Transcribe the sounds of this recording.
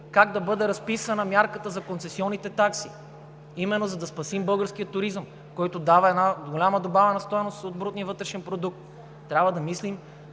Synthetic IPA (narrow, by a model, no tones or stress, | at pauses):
kaɡ̚d̪ɐbɤd̪ɛɾɐspisɐnɐmʲjaɾkət̪əzɐkonsɛsiɔnːit̪ɛt̪aksi | imɛnːozɐd̪ɐspɐsimbɤlˠɡəɾskijət̪ːʊɾizəm | kɔjt̪od̪avɐɛd̪naɡolʲaməd̪obavɛnɐst̪ɔjnost̪od̪bɾut̪niəvɤt̪ɾɛʃɛnpɾod̪uk̚t̪ː | ɾʲabvəd̪ɐmislim